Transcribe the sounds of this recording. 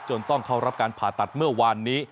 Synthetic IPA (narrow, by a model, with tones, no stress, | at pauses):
t͡ɕo˧nt̪ɔ˥˩ŋkʰa˥˩wɾa˦˥p̚kaː˧npʰaː˨˩t̪ːa˨˩t̪̚mɯ˥˩ɐwaː˧nːiː˦˥